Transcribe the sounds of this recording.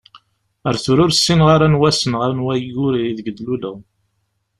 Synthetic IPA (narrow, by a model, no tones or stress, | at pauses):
əɾθʊɾʊɾsːinʁaɾanwæsənʁəɾnwæjuɾiiðəɡəd̪lulə